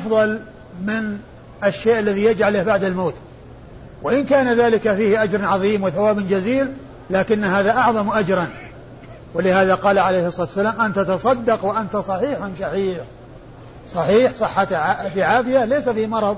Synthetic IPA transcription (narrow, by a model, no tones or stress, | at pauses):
ʔɑfðˤɑl | mɪn | ʔaʃːeːʔalːaðijad͡ʒʕalahbaʕd̪almoːt̪ | wɪʔɪnkaːnaðaːlɪkafiːhʔad͡ʒɾˤʕɑðˤiːmwɪθawaːbɪnd͡ʒaziːl | laːkɪnːhaːðaʔɑʕðˤɑmʔad͡ʒɾˤɑn | wɪlɪhaːðaqɑːlaʕalejhsˤɑt̪wasːalaːmʔant̪at̪ɑsˤɑd̪ːɑqwɪʔant̪asˤɑħiːħansˤɑħiːħ | sˤɑħiːħsˤɨħːat̪ʕafiʕaːfɪjalejsafiːmɑɾˤɑðˤ